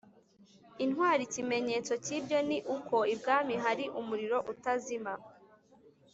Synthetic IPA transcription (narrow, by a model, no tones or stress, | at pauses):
inɦwaːɾicime̞ɲe̞ːt͡so̞cibɟo̞niʔukʰo̞ibɡaːmiɦaɾiʔumuɾiɾo̞ʔutazima